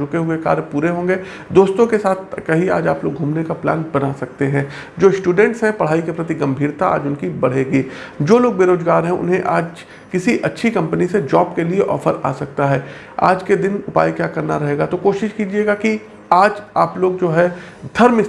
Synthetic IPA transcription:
ɾʊkeɦʊeka̰ːɾjpuːɾeɦõːŋɡeː | d̪oːst̪õkesaːt̪ʰkɐɦia̰ːd͡ʒaːploːɡɡʱuːmnekapla̰ːnbɐnasɐk̚t̪eɦɛ̃ː | d͡ʒoːɪsʈuːɖɛ̃ɳʈsɦɛ̃pɐɽ̤aːikepɾɐt̪̬iɡɐ̃mbʱiːɾt̪aa̰ːd͡ʒʊnkibɐɽ̤eːɡiː | d͡ʒoːloːɡ̚beːɾoːzɡaːɾɦɛ̃ʊ̰nɦẽʔaːd͡ʒ | kɪsiʔɐtːʃʰikɐ̃mpənised͡ʒɔːbkelieʔɔ̰ːfəɾa̰ːsɐk̚t̪aɦɛː | a̰ːd͡ʒked̪ɪnʊpa̰ːikjaːkɐɾnaɾɐɦeːɡat̪okoːʃɪʃkiːd͡ʒieːɡaki | aːd͡ʒaːploːɡd͡ʒoːɦɛ | d̪ʱɐɾmɪ

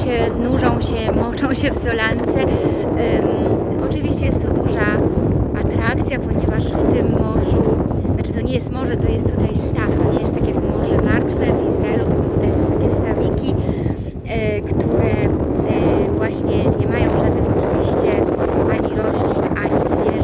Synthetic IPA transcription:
ɛnuʐɔ̃w̃ɕɛmɔt͡ʂɔ̃w̃ɕɛvzɔlant̪sɛ | ɔt͡ʂɘvʲiɕt͡ɕɛjɛst̪t̪ːɔd̪uʐaat̪ɾakt̪sʲjapɔɲɛvaʂft̪ɘmːɔʐu | at͡ʂɘ̥t̪ɔɲɛjɛst̪mɔʐɛt̪ɔjɛst̪ːut̪ajst̪aft̪ɔɲɛjɛst̪ːakʲɛkmɔʐɛmaɾt̪fɛvizɾaɛlut̪ɪkɔt̪ut̪ajsɔ̃w̃t̪akʲɛst̪avʲikʲi | kt̪uɾɛ | vwaɕɲɛɲɛmajɔ̃w̃ʐad̪nɨxɔt͡ʂɨvʲiɕt͡ɕɛʔaɲiɾɔɕlʲinaɲizvʲjɛ

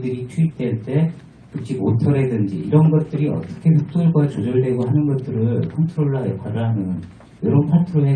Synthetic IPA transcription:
dɯɾit͡ɕʰuip̚t͈we̞ɭt͈e̞ | kɯk̚t͡ɕ͈iko̰tʰʌɾedɯnd͡ʑiiɾʌnɡʌt̚t͈ɯɾiʌ̰t͈ʌ̥kʰe̞ɸuk̚t͈oɭɡwat͡ɕod͡ʑʌɭde̞ɡoɦanɯnɡʌt̚t͈ɯɾɯɭkʰʌntʰɯɾoɭːajʌpʰaɾɯɦanɯn | jʌɾʌunpʰatʰɯɾoɦe

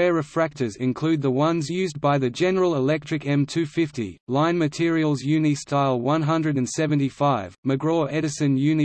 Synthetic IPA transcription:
ɛɹəfɹæk̚təzɪ̃nkʰl̥ʉd̪̚ðəwʌ̃nzjʉːzbaɪðɨd͡ʒɛnəɹəlˠəlɛk̚tɹ̥ɨkɛ̃mtʰʉfɪftḭlãɪ̃nmɨtʰɪəɹiəlˠzjʉnistʰaɪlˠwʌ̃nɦʌ̃ndɹɨɾɨ̃nsɛvɨ̃n̩tifaɪvməɡɹɔʔɛɾɨsɨ̃njʉni

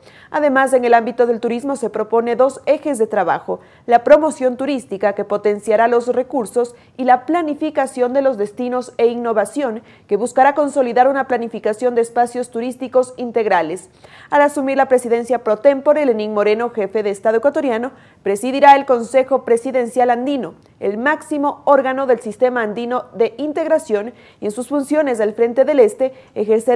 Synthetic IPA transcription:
a̰ðe̞mase̞ŋe̞lambit̪o̞ðe̞lt̪uɾizmo̞se̞pɾo̞po̞ne̞ðo̞se̞xe̞zðe̞t̪ɾaβa̰xo̞ | lapɾo̞mo̞sjo̞nt̪uɾist̪ikake̞po̞t̪e̞nsjaɾalo̞sre̞kuɾso̞s | ilaplanifikasjo̞nd̪e̞lo̞zðe̞st̪ino̞se̞iŋno̞βasjo̞ŋ | ke̞βuskaɾako̞nso̞liðaɾunaplanifikasjo̞nd̪eːspasjo̞st̪uɾist̪iko̞sint̪eɣɾale̞s | alasumiɾlapɾe̞siðe̞nsjapɾo̞t̪empoɾelenĩŋmo̞ɾe̞no̞xe̞fe̞ðeːst̪aðoekwat̪o̞ɾjano̞ | pɾe̞siðiɾae̞lko̞nse̞xo̞pɾe̞siðe̞nsjaland̪ino̞ | ḛlmaksimo̞oɾɣano̞ðe̞lsist̪e̞maːnd̪ino̞ðe̞int̪e̞ɣɾasjo̞n | e̞nsusfunsjo̞ne̞s̬alfɾe̞nt̪e̞ðele̞st̪e̞exeɾse

